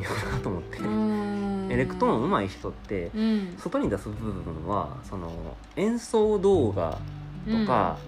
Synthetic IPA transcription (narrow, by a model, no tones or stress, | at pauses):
onat̪oːmot̪ːe | eɾe̞kɯ̟̥t̪oõɯ̟maiçi̥t̪o̞t̪ːe̞so̞t̪o̞ɲ̟id̪asɨbɯ̟ɯbɯ̟ɯ̟̃ɴ̃βa̰so̞no̞̰ | ẽ̞ñso̞ːd̪o̞ːɡa̰t̪o̞ka̰